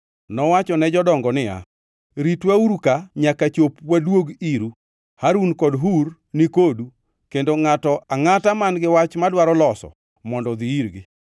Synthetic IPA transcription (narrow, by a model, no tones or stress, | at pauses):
nɔwat͡ʃɔnɛd͡ʒɔdɔŋɡɔnɪja̰ | ɾitwauɾukaɲakat͡ʃopwadwoɡiɾu | haɾunkɔdɦur | nikodu | kendoŋatɔʔaŋatamanɡɪwat͡ʃmadwaɾɔlɔsɔ̰ | mɔndɔd̪iiɾɡɪ